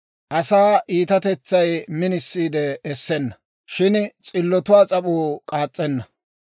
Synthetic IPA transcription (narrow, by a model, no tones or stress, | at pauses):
ʔɐsaːʔiːt̪ɐt̪ɛt͡sːɐjmɪnɪsːiːd̪ɛːsːɛnːɐ | ʃɪnt͡sʼɪlːɔt̪ʊwaːt͡sʼɐpʼuːkʼaːt͡sʼːɛnːɐ